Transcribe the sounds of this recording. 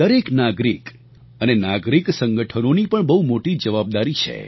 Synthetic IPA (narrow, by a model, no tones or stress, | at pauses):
əɾeknaɡɾik | ənenaɡɾiksə̃ŋɡəʈʰənonipəɳbəɦumoʈid͡ʒəʋab̚d̪aɾit͡ʃʰḛ